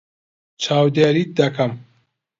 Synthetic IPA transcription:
t͡ʃʰaːwd̪eːɾit̪̚d̪ɐkʰɐm

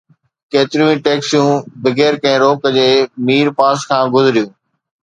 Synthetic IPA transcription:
keːt̪ɪɾijũĩʈeːksijũːbɪɡeːɾkɐ̃ɪ̃ɾoːkəd͡ʑeːmiːɾpaːskʰãːɡʊzɪɾijũː

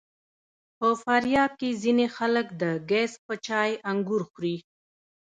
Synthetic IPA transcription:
pəfaɾjɑb̚kezinexaləkd̪əɡɛspət͡ʃɑjaŋɡuɾxɾi

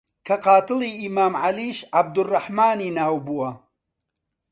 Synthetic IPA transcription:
kʰɐqɑːt̪ɨliːʔimaːmʕaliːʃʕab̚d̪ʊrːɑħmaːniːnaːwbuːwɐ

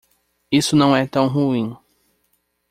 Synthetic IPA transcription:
isʊnɐ̃w̃ɛt̪ɐ̃w̃ɦuĩ

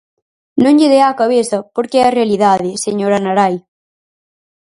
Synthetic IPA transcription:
nõŋʎeðeakɐβeθɐpoɾkeɛɐreɐliðaðeseɲoɾɐnaɾaj

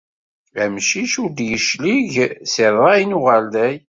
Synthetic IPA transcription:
əmʃiʃuɾd̪jəʃliʝsɪðˤɑjnuʁæld̪æj

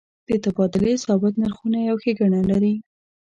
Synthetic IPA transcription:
d̪̥ət̪abɑd̪ɪlesɑbat̪naɾxunajawxeɡaɳalaɾi

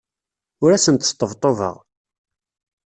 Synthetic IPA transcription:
ʊɾæsənt̪t̪ˤːəvt̪ˤːovə̰ʁ

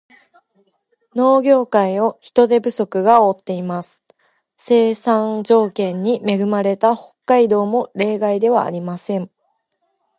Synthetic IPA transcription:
no̞ːɡʲo̞ːkaio̞çi̥t̪o̞d̪e̞bɯ̟so̞kɯ̟ɡaot̪ːe̞imasɨ̥ | se̞ːsãnd͡ʑo̞ːkẽ̞ɲ̟ːime̞ɡɯ̟maɾe̞t̪aho̞kːaid̪o̞ːmo̞ɾe̞ːɡaid̪e̞βa̰ːɾʲimasẽ̞ɴ

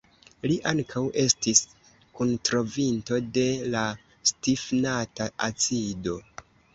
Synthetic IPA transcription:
liʔaŋkʰawʔe̞stis | kuntɾo̞vinto̞de̞la | stifnataʔat͡sido̞

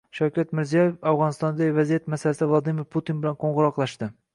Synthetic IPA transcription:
ʃawkʲat̪mɪɾzijɒjefavʁɒnɪst̪ɒnd̪aɪvazijat̪masalasɪvlˠad̪imɪɾpʰut̪inbɪlanqʰoɴʁʊɾɒqlˠaʃt̪ɪ

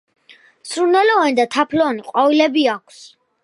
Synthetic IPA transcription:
sɾunɛlɔvanid̪at̪ʰapʰlɔniqʼɔvilɛbiakʷʰs

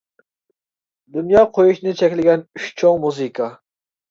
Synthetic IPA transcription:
d̪unjɑːqʰojuʃnɨt͡ʃʰɛkʲlɪɡʲɛnyʃt͡ʃʰoŋmuzɨkʰɑ

